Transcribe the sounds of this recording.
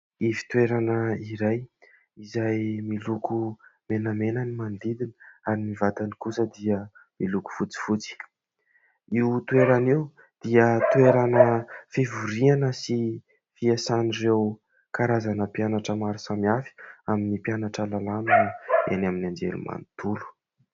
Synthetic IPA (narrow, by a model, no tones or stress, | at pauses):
ivi̥t̪weɾanəiɾaj | izajmilukumenəmenənimand̪id̪iniaɾinivat̪anikusəd̪iə | miluku̥fut͡si̥fut͡si̥ | iwt̪weɾaniw | d̪̥iət̪ueɾanəfivuɾianəsi | fiasanirew | kaɾazanəpianaʈ͡ʂəmaɾusamiafi̥aminipianaʈ͡ʂəlalanaḛnaminand͡ʒḛlṵma̰nt̪ulu̥